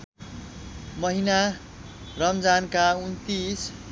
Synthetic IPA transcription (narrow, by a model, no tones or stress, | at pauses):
mʌɦina | rʌmd͡zankaunt̪is